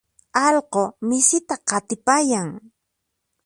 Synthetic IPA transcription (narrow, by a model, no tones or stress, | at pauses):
ɑlqomɪsɪt̪aqɑt̪ɪpajaŋ